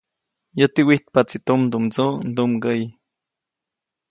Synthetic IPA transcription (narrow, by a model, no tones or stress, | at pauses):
jot̪iwiht̪̚pat͡sit̪umnd̪umd͡zund̪umɡəj